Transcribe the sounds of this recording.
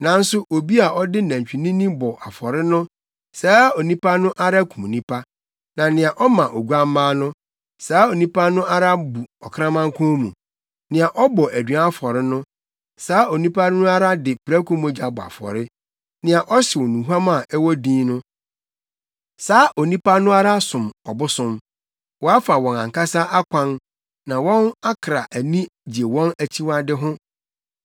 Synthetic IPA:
nã˨n̩˦sʊ˦ʔo˨bi˦a˨ʔɔ˦dɪ˦næ̃˨ɲ˨t͡ɕᶣi˨nĩ˦nĩ˦bɔ˨ʔa˨fɔ˨ɾɪ˦nʊ̃˦ | saː˨˦o˨nĩ˦pa˦nʊ̃˦ʔa˦ɾa˦kʰũ˨mo˨nĩ˦pʰa˦ | nã˨nɪ̃˨ã˨ʔɔ˦mã˨ʔo˨ɡu˦a˦m˦mãː˦nʊ̃˦ | saː˨˦o˨nĩ˦pa˦nʊ̃˦ʔa˦ɾa˦bu˨ɔ˨kʰɾã˦mã˦ŋ˦kʰɔ̃˦mṵ̃˨ | nɪ̃˨a˨ʔɔ˦bɔ˨ʔæ˨dɥa˦fɔ˨ɾɪ˦nʊ̃˦ | saː˦o˨nĩ˦pʰa˦nʊ̃˦a˦ɾa˦dɪ˨pɾæ˦kũ˦mʊ̃˦d͡ʑa˨bʊ˨a̰˨fɔ̰˨ɾɪ˦ | nɪ̃˨a˨ʔɔ˦ɕɪ˨wɔ˨nũ˨ɦu˦a˦mã˦˨ɛ˦wɔ˦dĩː˦nʊ̃˦ | saː˦ʔo˨nĩ˦pa˦nʊ̃˦a˦ɾa˦sʊ̃˨mɔ̰˨bʊ˦sʊ̃˦m | wɔ˨a˦fa˨wɔ̃˨nã̰˨ŋ˨ka˦sa˦ʔa˦kʷʰã˦n | nã˨wɔ̃˦na˦kʰɾa˨ʔæ˨nĩ˦d͡ʑi˨e˨wɔ̃˦næ˨t͡ɕʰi˦wa˦dɪ˦ɦʊ̃˦

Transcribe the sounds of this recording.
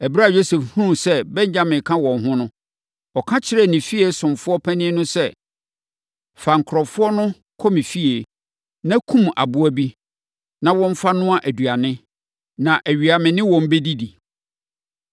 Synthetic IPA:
æ˨bɾa˦˨jo˦sɛ˨fhũ˦sɛ˦bɛ̃˦ɲ˦d͡ʑa˦mɪ̃˨kʰã˦wɔ̃˨nɦʊ̃˦nʊ̃˦ | ɔ˨kʰã˦t͡ɕʰɪ˦ɾɛ˦˨nɪ̃˨fi˦e˨sʊ̃˨mfʊ˦ɔ˦pʰæ̃˦nɪ̃˦ɛ˦nʊ̃˦sɛ˦˨ | fa˨ŋ̩˨kʰɾɔ˨fʊ˦ɔ˦nʊ̃˦ | kʰɔ˦mĩ˨fi˦e˨ | nã˦kʰũ˦ma̰˨bʊ˦ɔ˦bi˦ | nã˨wɔ̃˦m̩˦fa˦nʊ̃˦a˦ʔæ˨dɥa˨nɪ̃˦ | nã˨ʔæ˨ɥi˨a˨mɪ̃˨nɪ̃˦wɔ̃˨m˦be˦di˦di˨

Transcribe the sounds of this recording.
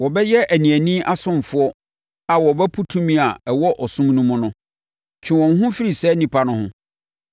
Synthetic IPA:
wɔ˨bɛ˦jɛ˦ʔæ˨nĩ˨æ˨nĩ˦ʔa˦sʊ̃˦˨m˨fʊ˦ɔ˦ | a˨wɔ˨bɛ˦pʰu˦tʰũ˦mĩ˦a˨ɛ˨wɔ˦ʔɔ˨sʊ̃˦m˦nũ˦mʊ̃˦nʊ̃˦ | t͡ɕʰɪ̃˨wɔ̃˨n˦ɦʊ̃˦fi˦ɾi˨sɛ˦nĩ˨pʰa˨nʊ̃˦hʊ̰̃˦

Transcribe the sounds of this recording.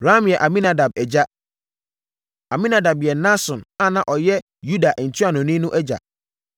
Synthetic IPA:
ɾa˦mjɛ˨ʔa˨mĩ˦na˨da˨b̚ɛ˨d͡ʑa˦ | a˨mĩ˦na˨da˨bjɛ˨nã˦sɔ̃˨na˦˨nã˨ʔɔ˨jɛ˦ | ju˦da˨ʔn̩˨tʰi˦a˨nɔ̃˨nĩ˦nʊ̃˦ʔɛ˦d͡ʑa̰˨

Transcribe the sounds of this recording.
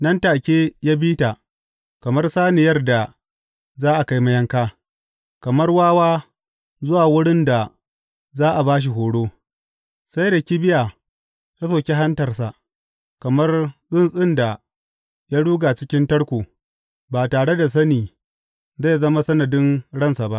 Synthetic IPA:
nɐ˦ntaː˨kʲeː˦ja˦biː˦ta˨ | kɐ˨mɐ˦rsaː˦ne˨jɐ˦rda˨ | zaː˦ʔa˨ka˦jma˦jɐ˦ŋkaː˦ | kɐ˨mɐ˦rwaː˦waː˦ | zʊ˦waː˨wʊ˦ɽɪ˦nda˨ | zaː˦ʔa˨baː˦ʃ̬i˨ɦoː˨ɽoː˦ | sa˦jda˨kʲi˦bɪ˦ja˨ | ja˦s̬oː˨kʲe˦ɦa˦ntɐ˨rsa˨ʔ | kɐ˨mɐ˦rzɪ˦nsʼɪ˦nda˨ | ja˦ɽuː˦ɡa˨t͡ʃɪ˦kʲɪ˦ntɐ˦ɽkʷoː˨ | baː˨taː˨ɽe˦da˨s̬ɐ˦niː˨ | za˦˨zɐ˦ma˦sɐ˦nɐ˨dɪ˦nɽɐ˦nsa˨ba˦ʔ

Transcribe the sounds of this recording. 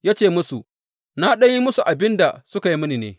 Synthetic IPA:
jaː˦t͡ʃeː˦˨mʊ˦su˨ | na˦ɗɐ˦ɲji˦mʊ˦su˨ʔa˨bɪ˦nda˨sʊ˦ka˨ji˦mʊ˦ni˨nḛː˦

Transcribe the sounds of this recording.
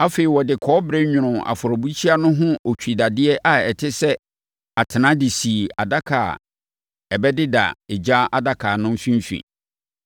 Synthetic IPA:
a˦fe˨i˨wɔ˨dɪ˨kʰɔː˦bɾɛ˦ɲᶣʊ̃˨ɾʊ̃˨a̰˨fʊ˨ɾɔ˨bu˦t͡ɕʰi˦a˦nʊ̃˦ɦʊ̃˦o˨t͡ɕᶣi˨da˨dɪ˦ɛ˦ʔa˨ɛ˨tʰɪ˦sɛ˦ | a˨tʰɪ˨nã˦di˨si˨a̰˨da˦kʰa̰ː˨ | ɛ˨bɛ˦dɪ˦da̰˨ɪ˨d͡ʑa˦a˨da˦kʰaː˨nʊ̃˦m̩˦fĩ˦m˦fḭ̃˨

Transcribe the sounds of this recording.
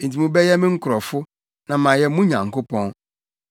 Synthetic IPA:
n̩˨t̬ʰi˨mũ˦bɛ˦jɛ˦mɪ̃˦ŋ̩˦kʰʊ˨ɾɔ˨fʊ˦ | nã˨mã˨jɛ˦mũ˦ɲã̰˨ŋ˨ko˦pʰɔ̃˦n

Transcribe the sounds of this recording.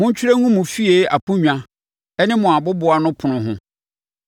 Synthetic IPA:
hʊ̃˦ɲ̩˦t͡ɕʰᶣi˦ɾe˦ŋũ˦mʊ̃˨fi˦e˨˦a̰˨pũ˦ɲᶣã˦ | ɛ˦nɪ̃˦mʊ̃˨a˨bʊ˦bʊ˨˦a˨nʊ̃˦pʰʊ˨nʊ̃˨ɦʊ̃˦

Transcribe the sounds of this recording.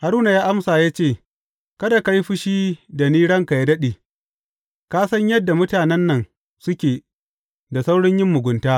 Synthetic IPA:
ha˨ɾuː˦na˨jaː˦ʔa˦msaː˨jaː˦t͡ʃeː˦˨ | kɐ˦da˨ka˦jɸʊ˦ʃiː˦da˨niː˦ɽɐ˦ŋka˨ja˦dɐ˦ɗeː˨ | kaː˦sɐ˦ɲjɐ˦dːa˨mʊ˦taː˨nɛ˦nːɐ˨n | sʊ˦kʲeː˨ | da˨sa˦wɽɪ˦ɲjɪ˦mːʊ˨ɡʷʊ˨ntaː˦

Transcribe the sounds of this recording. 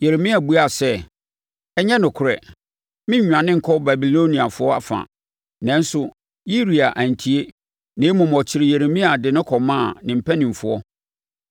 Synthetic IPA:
je˨ɾe˨mĩ˦a˨bu˦a˨sɛ˦ | ɛ˦ɲɛ̃˦nʊ̃˨kʰʊ˨ɾɛ̰˨ | mɪ̃˦ɲ˦ɲᶣ˨ã˨nɪ̃˦ŋ̩˨kʰɔ˦ba˨bi˨lõ˦nĩ˨a˨fʊ˦ɔ˦a̰˨fã̰˨ | nɛ̃˦n˦sʊ˨ | ji˦ɾi˨a˨ʔa˨n˨tʰi˦e˦ | nɪ̃˨˦mʊ̃˨m˨ɔ˨t͡ɕʰɪ˨ɾɪ˨je˨ɾe˨mĩ˦a˨dɪ˨nʊ̃˦kʰɔ˨mãː˦˨nɪ̃˨m̩˨pʰɛ˦nɪ̃˨m˨fʊ˨ɔ˦

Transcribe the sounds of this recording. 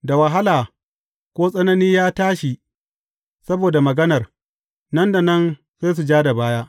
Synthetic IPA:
da˨wɐ˨ɦa˦laː˨ | kʷoː˦sʼɐ˦nɐ˦niː˦jaː˦taː˦ʃi˨ | sɐ˦boː˨da˨mɐ˨ɡɐ˦nɐ˨r | nɐ˦nda˨nɐ˦n | zaː˦s̬u˨d͡ʒaː˦da˨baː˦jaː˦ʔ

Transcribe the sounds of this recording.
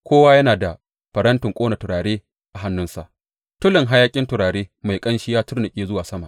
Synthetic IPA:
kʷoː˦waː˦jɐ˦naː˨da˨ | ɸɐ˨ɾɐ˦ntʊ˨ŋkʷʼoː˦na˨tʊ˨ɾaː˨ɽeː˦ | ʔa˨ɦa˦nːʊ˦nsa̰˨ʔ | tʊ˦lɪ˨ŋɦa˦jaː˦kʲʼɪ˦ntʊ˨ɾaː˨ɽeː˦ma˨jkʼɐ˦nʃɪ˦jaː˦tʊ˦rnʊ˨kʲʼeː˦zʊ˦waː˨sɐ˦ma˨ʔ

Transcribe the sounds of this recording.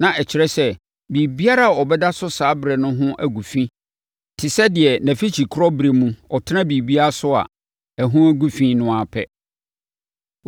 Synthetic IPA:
nã˨ʔɛ˨t͡ɕʰɪ˨ɾɛ˦sɛ˦ | bi˨bi˦a˦ɾa˦a˨ɔ˨bɛ˦da˦sʊ˦saː˨˦bɾɛ˨nʊ̃˦ɦʊ̃˦ʔæ˦ɡu˨fĩ˦ | tʰɪ˨sɛ˦dɪ˨ɛ˨næ̃˨fi˦t͡ɕʰi˨kʰʊ˦ɾɔ˦bɾe˨mũ˦ɔ˨tʰɪ˦nã˦bi˨bi˦a˦a˦sʊ˦a̰˨ | æ˨ɦũ˦æ˦ɡu˦fĩː˦nʊ̃˦a˨pʰɛ̰˦

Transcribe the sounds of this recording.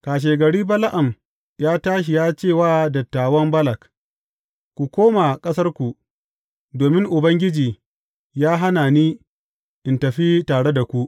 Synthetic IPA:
kaː˨ʃ̬eː˨ɡɐ˨ɽiː˦bɐ˦la˦ʔa˨m | jaː˦taː˦ʃ̬i˨jaː˦t͡ʃeː˦˨waː˦dɐ˨tːaː˨wɐ˦mbɐ˦lɐ˨k | kʷu˨kʷoː˦ma˨kʼɐ˦sɐ˦rkʷu˨ | doː˨mɪ˦ŋʔʊ˨bɐ˦ŋɡʲɪ˦d͡ʒiː˨ | jaː˦ɦa˦naː˨niː˦ | ʔɪ˨ntɐ˨ɸi˦taː˨ɽe˦da˨kʷu˦ʔ

